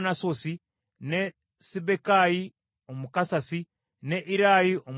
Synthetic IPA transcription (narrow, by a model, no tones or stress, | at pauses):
nasosi | ne | sibekaji | omukasasi | neʔiɾajiom